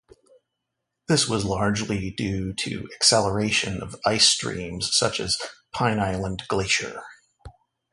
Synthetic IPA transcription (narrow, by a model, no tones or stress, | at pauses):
ðɪswʌzlɑɹd͡ʒlidʉɾɨ̰ɨksɛlˠə˞eɪʃɨ̃nʌ̰vaɪstɹ̥ḭ̃mz̥sʌt͡ʃɨ̰z̥pʰãɪ̃naɪlˠə̃nɡleɪʃə̰˞